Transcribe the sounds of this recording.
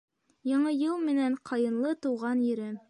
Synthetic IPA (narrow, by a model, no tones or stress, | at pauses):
jɑɴɤjɤlˠmɘ̆næɴqʰɑjɤ̆nlˠɤt̪ŭwʁɑnjɵ̆ɾɘm